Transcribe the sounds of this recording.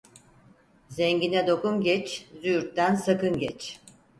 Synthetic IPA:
zɛɲɟinɛd̪o̞kumɟɛt͡ʃzyjyɾt̪̚t̪ːænsakɯnɟɛt͡ʃ

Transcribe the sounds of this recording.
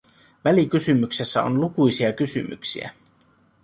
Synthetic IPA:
ʋælikysymykse̞sːæo̰nlukujsiɑkysymy̰ksḭæ̰

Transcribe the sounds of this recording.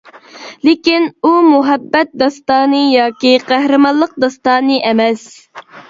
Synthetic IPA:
lɪkʲinumuɦɛbːɛt̪̚d̪ɑst̪ɑːnɨjɑːkʲiqʰæhɾɨmɑlˠːəq̚d̪ɑst̪ɑːnɨʔɛmɛs

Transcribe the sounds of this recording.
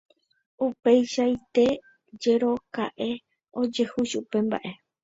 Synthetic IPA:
upe̞jʃait̪e̞ | d͡ʒe̞ɾo̞ka̰ʔe̞ | o̞d͡ʒe̞huʃupe̞mba̰ʔe̞

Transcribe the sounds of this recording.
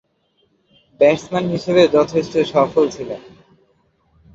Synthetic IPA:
bɛɾsmanɦiʃeβed͡ʑɔt̪ʰeʃʈoʃɔfolt͡ɕʰilen

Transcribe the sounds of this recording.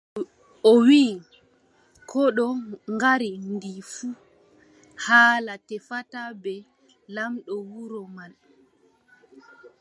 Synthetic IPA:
ɔwiː | kʰɔɗɔŋɡaɾindifu | haːlatɛfatabɛ | lamɗɔwuɾɔmal

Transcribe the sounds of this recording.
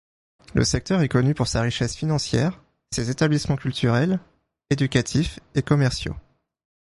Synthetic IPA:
lʔə̰sɛk̚t̪œʁɛkɔnypuʁsaʁiʃɛsfinɑ̃sjɛ̰ːʁ | sezet̪ablismɑ̃kʲylt̪ʰyʁɛl | ed̪ykʲat̪ʰifekɔmɛʁsjo̰

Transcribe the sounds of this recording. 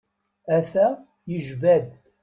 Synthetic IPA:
æθæ | jəʒvæd̪

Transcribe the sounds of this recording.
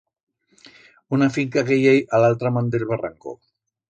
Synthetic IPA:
unafiŋkaɣejejʔalalt̪ɾamand̪ilβara̰ŋko̰

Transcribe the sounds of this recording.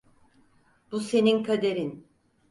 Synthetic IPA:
b̥use̞ninkʰad̪eɾin

